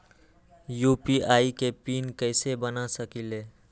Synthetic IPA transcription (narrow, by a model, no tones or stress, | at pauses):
juːpiaːikepiːnkəɪsebənasəkileː